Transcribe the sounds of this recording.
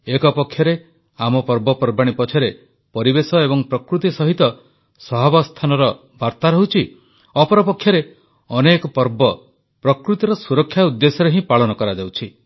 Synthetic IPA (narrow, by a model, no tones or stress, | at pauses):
ekɔpɔkʰːjɔɾe | amɔpɔɾbɔpɔɾbaɽ̃ipɔt͡ʃʰɔɾe | pɔɾibesɔebɔŋpɾɔkɾut̪isɔɦit̪ɔ | sɔɦɔbɔst̪ʰanɔɾɔ | baɾt̪aɾɔɦut͡ʃʰi | ɔpɔɾɔpɔkʰjɔɾe | ɔnekɔpɔɾbɔ | pɾɔkɾut̪iɾɔsuɾɔkʰːjaud̪ːesɔɾeɦĩpaɭɔnɔkɔɾad͡ʒawt͡ʃʰi